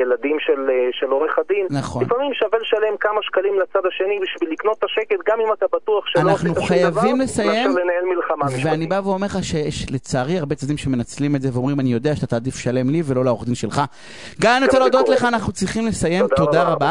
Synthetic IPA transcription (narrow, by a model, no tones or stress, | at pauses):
jelad̪imʃelʃeloʁeχad̪imnaχolinfamimʃavelʃale̞mkamaʃkalimlat͡sad̪aʃe̞nibiʃvilːikno̞t̪ːaʃeket̚ɡamimat̪abat̪uaχʃeanaχnuχajavimlesajemlenaelmilχamaveaanibaveome̞ʁχaʃejeʃlet͡saːʁiaʁbet͡sad̪imʃemenat͡slimetzeveo̞mʁimanijo̞d̪eaʃḁt̪at̪aːd̪ifʃale̞mlivelo̞laoχd̪inʃe̞lχa | ɡamanot͡salod̪otle̞χaːnaχnut͡sʁiχimlesaje̞mt̪o̞d̪aʁaba